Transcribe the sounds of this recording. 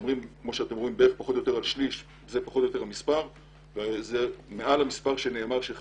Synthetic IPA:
mʁimkmo̞ʃeat̪emʁo̞imbeeχpaχo̞t̪jot̪e̞ʁalʃliʃ | zepaχo̞t̪jo̞t̪e̞ʁamispaʁ | vezemeʔalamispaʁʃene̞ːmaʁʃe

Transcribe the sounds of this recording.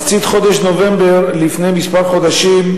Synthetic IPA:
t͡sit̪χo̞d̪eʃnovembeʁlifnejmispaʁχo̞d̪aʃim

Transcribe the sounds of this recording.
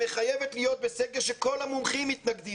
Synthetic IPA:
eχajevet̪lijo̞t̪̚beseɡeʁʃeko̞lhamumχimːit̪naɡd̪i

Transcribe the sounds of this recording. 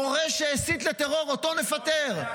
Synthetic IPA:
oʁeʃeːsit̪let̪eʁo̞ʁot̪o̞nefat̪eʁ

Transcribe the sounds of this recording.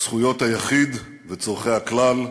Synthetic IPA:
sχujo̞t̪hajaχid̪ | vet͡soʁχejhaklal

